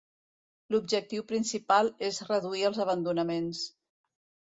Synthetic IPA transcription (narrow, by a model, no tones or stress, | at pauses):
lub̚ʒək̚t̪iwpɾinsipalˠezrəðuiəlˠzəβənd̪unəmens